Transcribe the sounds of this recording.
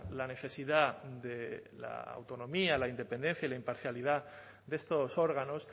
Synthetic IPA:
lane̞θe̞siðaðela̰a̰wt̪o̞nõ̞mialaind̪e̞pe̞nd̪e̞n̟θjailaimpaɾθjaliða | ðe̞st̪oso̞ɾɣ̞ano̞s

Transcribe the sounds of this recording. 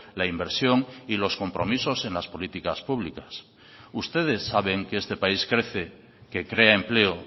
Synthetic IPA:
laimbe̞ɾsjoŋilo̞sko̞mpɾʔo̞̰miso̞senlaspo̞lit̪ikaspuβ̞likas | ust̪e̞ð̞e̞sːaβ̞e̞ŋkeest̪e̞paiskɾeθe | ke̞kɾeaemple̞o

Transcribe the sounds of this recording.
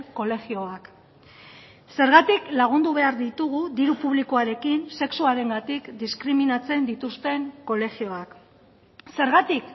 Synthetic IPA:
ko̞le̞xio̞ak | se̞ɾɣat̪iklaɣ̞und̪uβe̞aɾðit̪uɣud̪iɾupuβ̞likoaɾe̞kinse̞ksuaɾe̞ŋɡat̪ikd̪iskɾiminat͡se̞nd̪it̪ust̪e̞ŋko̞le̞xio̞ak | se̞ɾɣat̪ik

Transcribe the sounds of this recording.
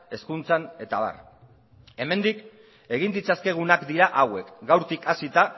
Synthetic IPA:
e̞skunt͡sane̞t̪aβa̰r | e̞me̞nd̪ik | e̞ɣ̞ind̪it͡saske̞ɣ̞unakd̪iɾaʔawe̞kɡawɾt̪ikasit̪a

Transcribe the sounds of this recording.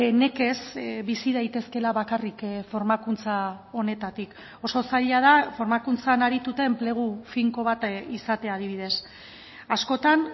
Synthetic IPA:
ne̞ke̞sbisiðajt̪e̞ske̞laβakarikfo̞ɾmakunt͡sao̞ne̞t̪at̪ik | o̞so̞saʎað̞afo̞ɾmakunt͡sanaɾit̪ut̪e̞ːmple̞ɣ̞ufiŋko̞β̞at̪isat̪e̞aːð̞iβ̞iðe̞s | asko̞t̪an

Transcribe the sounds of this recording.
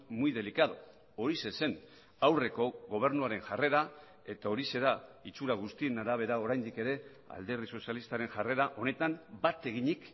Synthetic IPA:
mujðe̞likað̞o | oɾisese̞n | awre̞ko̞ɣo̞β̞e̞ɾnuaɾe̞nʝare̞ɾa | e̞t̪ao̞ɾise̞ðait͡suɾaɣ̞ust̪ie̞naɾaβ̞e̞ɾao̞ɾajnd̪ike̞ɾe̞ | a̰ld̪e̞ɾð̞iso̞sialist̪aɾe̞nʝare̞ɾaʔo̞ne̞t̪ambat̪e̞ɣ̞iɲik

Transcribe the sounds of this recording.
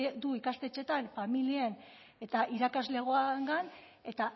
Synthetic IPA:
ed̪uikast̪e̞t͡ʃe̞t̪anfamilien | e̞t̪aʔiɾakazle̞ɣ̞oaeŋɡan | e̞t̪a

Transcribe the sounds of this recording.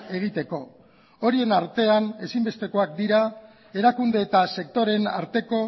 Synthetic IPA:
ʔe̞ɣ̞it̪e̞ko̞ | oɾie̞naɾt̪e̞ane̞simbe̞st̪e̞ko̞ak̚d̪iɾa | e̞ɾakund̪e̞ːt̪ase̞k̚t̪o̞ɾe̞na̰ɾt̪e̞ko̞

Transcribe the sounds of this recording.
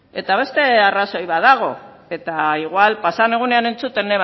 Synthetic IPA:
e̞t̪aβ̞e̞st̪e̞araso̞jβaðaɣ̞o̞ | e̞t̪aiɣwalpasane̞ɣ̞une̞ane̞nt͡sut̪e̞neβ

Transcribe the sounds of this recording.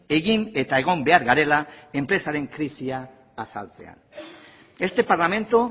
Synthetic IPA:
e̞ɣine̞t̪ae̞ɣ̞o̞mbe̞aɾɣaɾe̞lae̞mpɾe̞saɾe̞ŋkɾisiaː | sa̰lt͡se̞̰a̰n | e̞st̪e̞paɾlamẽ̞nt̪u

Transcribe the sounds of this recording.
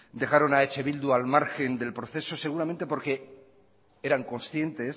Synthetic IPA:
d̪e̞xaɾo̞naet͡ʃe̞βild̪ualmaɾxe̞nd̪e̞lpɾoθe̞so̞se̞ɣuɾamẽnt̪e̞po̞ɾke̞ | e̞ɾaŋko̞nsθje̞nt̪e̞s

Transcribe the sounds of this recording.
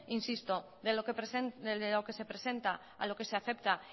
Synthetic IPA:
insist̪o̞ | ðeoeseeeloke̞se̞pɾese̞nt̪a | a̰lo̞ke̞se̞aθe̞p̚t̪a

